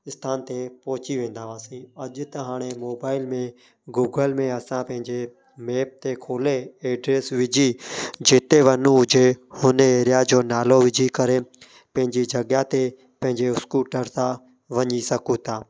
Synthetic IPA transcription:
ɪst̪ʰaːnt̪epɔːt͡ʃiʋẽːnd̪aːʋaːsĩːəʄt̪əɦaːɽ̃emoːbaːɪlmẽ | ɡuːɡəlmẽəsãːpə̃ɦɪ̃ɲd͡ʒeː | meːp̚t̪ekʰoːleːeːɖɾeːsʋɪd͡ʒiːd͡ʒeːt̪eʋənũɦʊd͡ʒʱeːhʊneeːɾɪjaːd͡ʑoːnaːloːʋɪd͡ʒiːkəɾeː | pə̃ɦɪ̃ɲd͡ʒiːd͡ʒʱəɠjãːt̪e | pə̃ɦɪ̃ɲd͡ʒeːʊskuːʈəɾsã | ʋəɲisəkũːt̪ʰaː

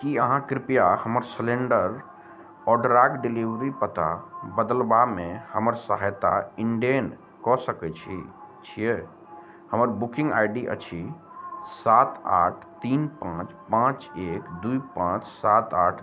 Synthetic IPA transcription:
kiəɦãkɾipjahəməɾsleɳɖəɾ | ɔɖɾaɡɖiliʋɾipət̪a̰bəd̪əlbamehəməɾsəɦajt̪a̰iɳɖen | kɔsəkɛt͡ʃʰḭt͡ʃʰije | həməɾbukĩŋɡa̰jɖiʔə̰t͡ʃʰi | sat̪a̰ʈʰt̪inpãt͡ʃpãt͡ʃekd̪uipãt͡ʃsat̪aʈʰ

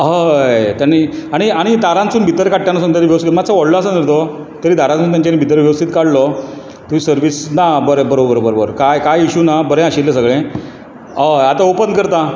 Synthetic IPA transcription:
ɦət̪janːiaɽ̃iaɽ̃id̪aɾãnt͡suːnbʱit̪əɾkaʈ̚ːjanasũnt̪janiʋjəʋəst̪ikt̪mat͡saʋɔɽloas̬əniɾt̪o | t̪əɾiːd̪ʱaɾãt͡suːnt̪̬aɲt͡ɕanibʱit̪əɾʋjəʋəst̪it̪kaɽlɔ | t̪umiːsəɾʋiːsnabəɾebəɾobəɾobəɾobəɾkajkajiɕuːnabəɾẽaɕilːesəɡɭẽ | əat̪aopənkəɾt̪a

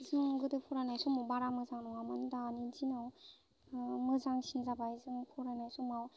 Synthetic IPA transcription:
zɯŋɡɯdɯpʰɔɾanajsɔmawbaɾamɯzaŋnɔŋamɯndanizinaw | mɯzaŋsinzabaizɯŋpʰɔɾanajsɔmaw

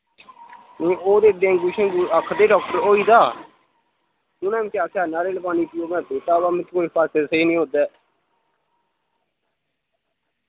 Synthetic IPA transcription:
nĩːoːd̪eːd̪ẽːŋɡʊʃẽːɡuəkʰːd̪eːɖɔːk̚ʈəɾoːiːd̪aː | ʊnãːmĩːkaːkaːnaːɾeːləbaːniːpioːmɛ̃ːbeːt̪aːbaːmɪ̃t̪koːipəɾsesəiːnĩːɦoːd̪ɛː

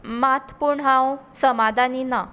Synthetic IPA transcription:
mat̪puɾɳɦãwsəmad̪ʱanina

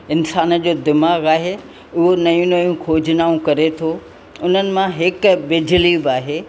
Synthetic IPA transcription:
ɪnsaːnə̆d͡ʑoːd̪ɪmaːɣaːɦe | ʊɦonɐjũnɐjũkʰoːd͡ʑʱɪnaːũkɐɾet̪ʰoː | ʊn̤ənɪ̆mãɦɪkbɪd͡ʑliːbaːɦeː

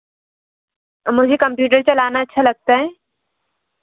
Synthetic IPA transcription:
mʊd͡ʒʱekɐ̃mpjuːʈ̬əɾt͡ʃɐlaːnaɐtːʃʰalɐɡ̚t̪aɦɛː

